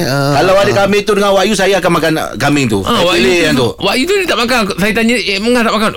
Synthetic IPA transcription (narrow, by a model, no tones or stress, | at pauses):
kalawadakamɪt̪udəŋanwaʔjusajaːkanmakankamɪŋt̪uilejant̪uwaʔjut̪unit̪aʔmakansajat̪aɲaməŋat̪aʔmakan